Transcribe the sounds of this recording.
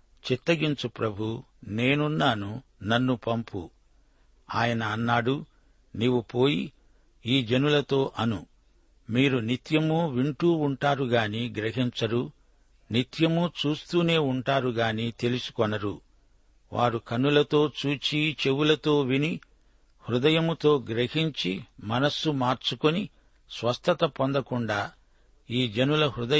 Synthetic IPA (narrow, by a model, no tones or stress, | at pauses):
t͡ʃit̪ːɐɡiɲt͡ʃupɾɐbʱu | ne̞ːnunːaːnunɐnːupɐmpṵ | aːjɐnɐːnːaːɽu | niːʋupoːji | iːd͡ʒɐnulɐt̪o̞ːʔɐnu | miːɾunit̪jɐmuʋiɳʈuːɳʈaːɾuɡaːniːɡɾɐɦiɲt͡ʃɐɾu | nit̪jɐmut͡ʃuːst̪uːne̞ːuɳʈaːɾuɡaːniːt̪e̞lusu̥kɔnɐɾu | ʋʔaːɾukɐnːulɐt̪o̞ːt͡ʃuːt͡ʃit͡ʃe̞wulɐt̪o̞ːʋini | hɾud̪ɐjɐmut̪o̞ːɡɾeɦiɲt͡ʃimɐnɐsːumaːɾt͡ʃukoni | sʋɐst̪ʰɐt̪ɐpond̪ɐkuɳɖaː | iːd͡ʒɐnulɐɦɾud̪ɐ